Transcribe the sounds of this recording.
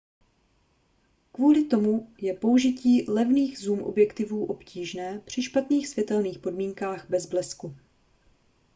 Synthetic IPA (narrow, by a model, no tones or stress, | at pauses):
kvuːlɪt̪o̞mujɛpo̞uʒɪciːlɛvniːɣzuːmʔo̞̰bjɛkt̪ɪvuːʔo̞pciːʒnɛːpr̝̥ɪʃpat̪niːxsvjɛt̪ɛlniːxpo̞dmiːŋkaːɣbɛzblɛsku